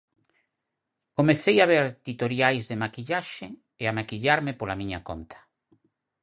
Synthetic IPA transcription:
komeθejaβ̞eɾt̪it̪oɾjajzðemakiʎaʃe | eamakiʎaɾmɪpolamiɲa̰ko̰nt̪ʰḁ

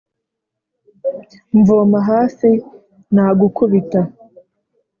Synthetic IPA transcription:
ɱvoːmaɦaːsi | naːɡukuβita

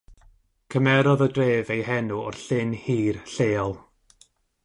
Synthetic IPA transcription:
kʰəmɛɾɔðədreːvejhɛnuɔrɬɪnhiːrɬeːɔlˠ

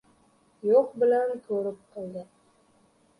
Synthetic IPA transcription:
joqbɪlankʰɵɾɪp̚qʰɨlˠd̪ɪ

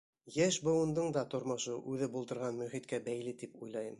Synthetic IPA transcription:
jæʃbŏwɤ̆nd̪ɤɴd̪ɑt̪ŏɾmɤ̆ʃɤʔʉðɘbulˠt̪ɤ̆ɾʁɑnmɵ̆χit̪kæbæjlɘt̪ipujlˠɑjɤm

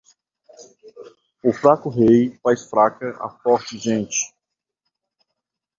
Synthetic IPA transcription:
ʊfɾakʊɦejfajsfɾakɐʔa̰fɔɾt͡ʃɪʒẽnt͡ʃɪ̥

